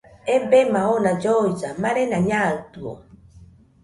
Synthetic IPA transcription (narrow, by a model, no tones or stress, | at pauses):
embemaonãd͡ʒoid͡ʒamaɾenaɲaɯt̪uo̰